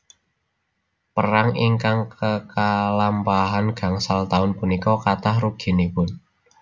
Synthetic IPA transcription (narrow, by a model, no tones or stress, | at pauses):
pəɾaŋiŋkaŋkəkalampaɦanɡ̥a̤ŋsalt̪aʊnpunikɔkat̪ahɾuɡ̥i̤nipʊn